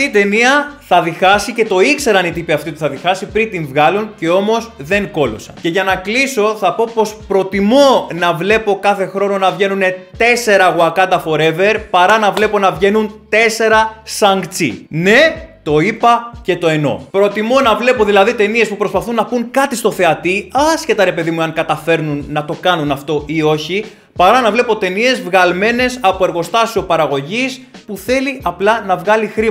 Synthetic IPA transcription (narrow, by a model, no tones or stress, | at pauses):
it̪e̞niɐθɐðixɐsice̞t̪o̞ikse̞ɾɐnit̪ipiɐft̪iot̪i̥θɐðixɐsipɾint̪iɱvɣɐlunce̞o̞mo̞sðe̞ŋko̞lo̞̰sɐ̰nce̞ʝɐnɐkliso̞θɐpo̞po̞spɾo̞t̪imo̞nɐvle̞po̞kɐθe̞xɾo̞no̞nɐvʝe̞nune̞t̪e̞se̞ɾɐɣuɐkɐnd̪ɐfo̞ɾe̞ve̞ɾpɐɾɐnɐvle̞po̞nɐvʝe̞nunt̪e̞se̞ɾɐsɐŋɡt͡sḭne̞t̪o̞ipɐce̞t̪o̞e̞no̞̰pɾo̞t̪imo̞nɐvle̞po̞ðilɐðit̪e̞nie̞spupɾo̞spɐθunːɐpuŋkɐt̪ist̪o̞θe̞ɐt̪iɐsce̞t̪ɐɾe̞pe̞ðimueɐŋkɐt̪ɐfe̞ɾnunːɐt̪o̞kɐnunɐft̪o̞ʔio̞çi | pɐɾɐnɐvle̞po̞t̪e̞nie̞zvɣɐlme̞ne̞sɐpo̞eɾɣo̞st̪ɐsio̞pɐɾɐɣo̞ʝispuθe̞liʔɐplɐnɐvɣɐlixɾi